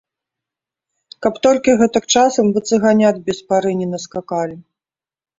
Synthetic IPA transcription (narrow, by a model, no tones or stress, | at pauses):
kɐpt̪ɔlʲkʲiɣɛt̪ɨk̚t͡ʂasɐmvɨt̪sɨɣanʲad̪bʲɛspaɾɨnʲinɐskakalʲi